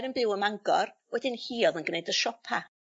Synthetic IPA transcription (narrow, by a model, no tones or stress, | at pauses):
ɾənbɪwəmaŋɡɔrwɛdɪnhiːɔðənɡnejdəʃɔpʰa